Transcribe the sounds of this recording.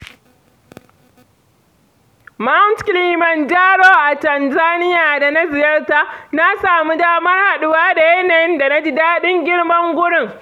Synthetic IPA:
ma˦ntkliː˨mɐ˨nd͡ʒaː˦ɽoː˦ʔa˨tɐ˨nzaː˦nɪ˦jaː˨da˨na˦zɪ˨jɐ˦rta˦na˦saː˨mu˦daː˦mɐ˦rha˨ɗʊ˦waː˦da˨jɛ˦nɛ˨˦nda˨na˦d͡ʒɪ˨daː˦ɗɪ˦ŋɡʲɪ˦ɽmɐ˦ŋɡʷʊ˦ɽɪ˦˨ŋ

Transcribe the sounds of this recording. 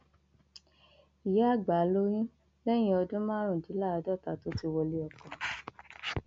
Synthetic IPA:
i˨ja˨˦a˦˨ɡ͡ba˨˦lo˦jĩ˦ | lɛ˦j̃ĩ˧ɔ˧dũ˦mãː˦ɾ̃ũ˦˨di˨˦la˦˧dɔ˦˨ta˨to˨˦ti˧wɔ˧le˦ɔ˧kɔ̃˨

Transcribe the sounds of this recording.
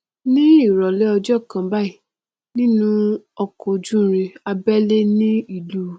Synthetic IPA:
nĩ˦i˦˨ɾɔ˨lɛ˦ɔ˧d͡ʒɔ˦˨kã˨ba˦˨i˨ | nĩ˦nũ˦ɔ˧ko˨d͡ʒũ˦˨˦ɾi˧a˧bɛ˦le˦nĩ˦i˦˨lu˨˦

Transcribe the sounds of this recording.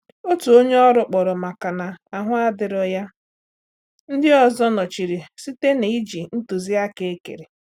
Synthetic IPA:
o˦tu˨o˦ɲe˦ɔ˦ɾʊ˨k͡pɔ˨ɾʊ˨ma˨ka˨na˨a˨ɦʊ˦a˦dɪ˨ɾʊ˨ja˦ | n̩˦dɪ˦ɔ˨zɔ˦nɔ˨t͡ʃi˨ɾi˨si˦te˦ne˨i˦d͡ʒi˨n̩˦tu˨zi˦a˦ke˦e˦kḛ˨ɾe˨

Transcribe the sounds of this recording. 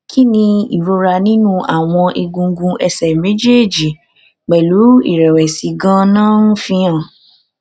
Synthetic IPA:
kʰi˦nĩ˧ḭ˨ɾo˧ɾa˧nĩ˦nũ˦a˨w̃ɔ̃˧ʔe˧ɡũ˧ŋ̩˦ɡũ˧ʔɛ˧sɛ˨me˨˦d͡ʒe˦˨d͡ʒi˨ | k͡pɛ˨lu˨˦ḭ˦˨ɾɛ˨wɛ˨si˨ɡã˦nãː˦n̩˦fĩ˧ã˦˨

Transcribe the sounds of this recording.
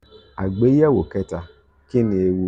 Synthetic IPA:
a˨ɡ͡be˦a˦wo˨kɛ˦ta˧ | kɪ˦ni˨e˨wu˦

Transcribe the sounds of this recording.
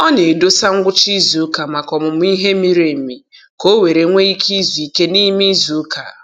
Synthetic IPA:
ɔ˦ne˨do˦sa˦ŋ̩˦ɡʷʊ˦t͡ʃi˦zu˨˦ka˨ma˨kɔ˨mʊ˨m˦i˦ɦe˦mi˦ɾe˨mi˨ | ko˦we˨ɾe˨ŋʷe˦i˦kʰi˦zu˨i˨ke˦ni˦mi˦zu˨˦ka̰˨

